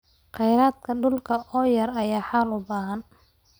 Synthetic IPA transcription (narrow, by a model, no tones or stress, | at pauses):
qɛjɾaːd̪kʰɐɖʊlkʰɐʔɔːjɐrɐjaːħaːlʊbaːɦɐn